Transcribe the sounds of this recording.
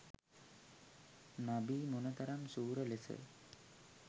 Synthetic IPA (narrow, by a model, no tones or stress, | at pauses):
nabiːmunət̪ɐɾamsuːɾəlesə̰